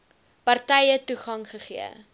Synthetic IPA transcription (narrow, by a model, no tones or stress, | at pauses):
pɐrtɛjətuχɐŋχəχiə̰